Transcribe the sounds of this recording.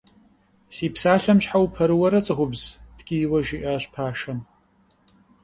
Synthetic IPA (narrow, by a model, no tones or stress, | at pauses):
siːpsaːɬɐmɕħawpʰɐɾɨwɐɾɐt͡sʼɨʁʷʊbz̥dɡ̥ʲijwɐʒiʔɐɕpʰaːʃɐm